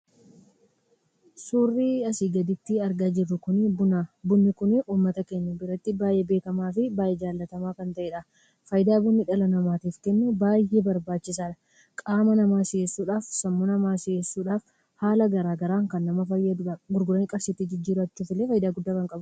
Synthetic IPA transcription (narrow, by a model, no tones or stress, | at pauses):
suːrːiːɐsiːɡɐd̪ɪt̪ːɪɐɾɡaːd͡ʒɪrːʊkʊnɪbʊnɐbʊnːɪkʊnɪʔuːmːɐt̪ɐke̞ːɲːɐbɪɾɐt̪ːɪbaːjʔɛbe̞ːkɐmaːfɪbaːjɛd͡ʒaːlːɐt̪ɐmaːkɐnt̪ɐʔeːᶑɐ | fɐjd̪aːbʊnːɪᶑɐlɐnɐmaːt̪iːfkɛnːɛbaːjebɐɾbaːt͡ʃːɪsaːᶑɐ̥ | kʼaːmɐnɐmaːsɪjeːsːuːᶑaːfsɐmːonɐmaːsɪjeːsːuːᶑaːf | haːlɐɡɐɾaːɡɐɾaːŋkɐnːɐmɐfɐjɐɡʊɾɡʊɾɐŋkʼɐɾsit̪ːɪd͡ʒɪd͡ʒːiːɾʊɐt͡ʃːuːfɪlːeːfɐjɪd̪aːɡʊd̪ːaːkɐŋkʼɐbʊ